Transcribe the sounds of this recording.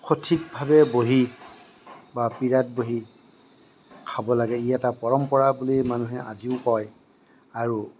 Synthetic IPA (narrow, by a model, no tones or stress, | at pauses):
xʰotʰik̚bʱabɛboɦi | bapiɹat̚boɦi | kʰabɔlaɡɛijatapɔɹɔmpɔɹabulimanuɦɛa̰ziʊkɔj | aɹu